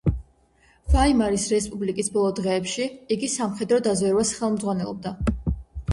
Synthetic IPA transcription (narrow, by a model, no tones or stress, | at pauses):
vaimaɾisɾɛspʼublikʼisbɔlˠɔd̪ʁɛːpʃiiɡisamχɛd̪ɾɔd̪azwɛɾvasχɛlˠmd̪zʁwanɛlˠɔb̚d̪a